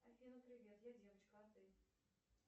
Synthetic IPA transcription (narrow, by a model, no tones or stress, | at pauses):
ɐfʲinəpɾʲɪvʲet̪jadʲevət͡ɕkɑt̪ɨj